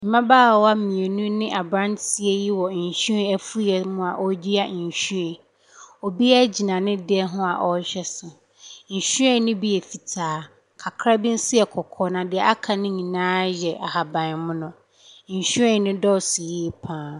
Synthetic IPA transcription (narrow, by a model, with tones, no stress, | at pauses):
m̩˨mã˦baː˦˨wɔ˦a˦˨mĩ˨e˨nũ˦nɪ̃˦ʔa˨bɾã˦nti˨ɛ˦ji˦wɔ˨n̩˨ɕu˦ɛ̃˦ɛ˦fu˦i˦ɛ˨mʊ̃˦a˨ʔɔ˦d͡ʑi˦a˦˨ɕu˦ɛ̃˨ | o˨bi˦a˦d͡ʑi˨nã˨nɪ̃˦dɪ˦ɛ˦ɦʊ̃˦a̰˨ʔɔ˦ɕᶣɛ˦sʊ˨ | n̩˨ɕu˦ɛ̃˦˨nʊ̃˦bi˦ɛ˨fi˨tʰaː˨˦ | kʰa˨kʰɾa˦bɪ̃˦n̩˦sɪ˦ɛ˨kʰɔ˨kʰɔ˨nã˨dɪ˨ɛ˨a˦kʰa˨nɪ̃˦ɲĩ˨nãː˦jɛ˨ʔa˨ha˨bã˨n˨mʊ̃˦nʊ̃˨ | ɕɛ̃˦˨nʊ̃˦dɔ˦˨si˨jiː˦pʰãː˦